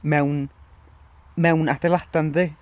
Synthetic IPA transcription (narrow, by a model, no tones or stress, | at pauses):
mɛwn | mɛwnad̥ɛlˠad̥anðɨ